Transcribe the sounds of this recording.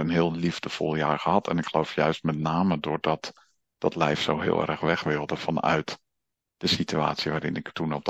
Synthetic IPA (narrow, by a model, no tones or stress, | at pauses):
ənɦɪːlˠlivdəv̥ɔ̰lˠjaːɹχəɦɑtʰɛ̰nɪkχəlowfjœɥst̚mɛtnaːmədʊːɹdɑt | d̥ɑtlɛjfsowɦɪ̰ːlˠɛ̰rəχʋɛχʋɪlˠdəvɑnœ̰ɥt | d̥əsitya̰ːtsiʋaːɾɪnɪktunɔp̚